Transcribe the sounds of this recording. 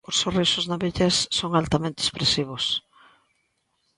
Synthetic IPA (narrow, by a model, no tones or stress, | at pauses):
ʊsːorisʊznaβiʎesːoŋalt̪amẽnt̪espɾesiβ̞ʊs